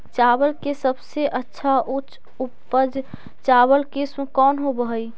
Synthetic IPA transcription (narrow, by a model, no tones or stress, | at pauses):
t͡ʃaːbəlkesəbseʔətːʃʰaʔʊt͡ʃ | upːəd͡ʒ | t͡ʃaːbəlkesmkɔːnɦobəɦəi